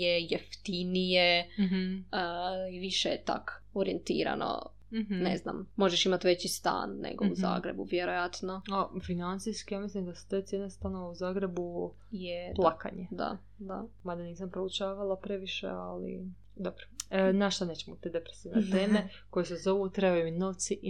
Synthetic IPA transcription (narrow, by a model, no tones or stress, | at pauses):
jejeft̪inije | əiʋiʃejet̪a̰k | oɾient̪ḭːɾa̰nʔo̰ | nḛzna̰mːo̞ʒeʃimat̪ʋe̞t͡ɕist̪a̰ːnːḛɡo̞uza̰ːɡɾḛbuʋjeɾojat̪noafinant̪sijskijaːmislimd̪asu̥t̪et̪sjenest̪anoʋeuzaːɡɾe̞bu | jeplˠaka̰ɲed̪a̰ | d̪a̰mad̪aniːsampɾout͡ʃaːʋalˠapɾeʋiʃḛalḭ | d̪obɾonaʃt̪oneːt͡ɕemot̪ed̪epɾesiːʋnet̪eːme | ko̞jesezo̞ʋut̪ɾebajumino̞ʋt̪si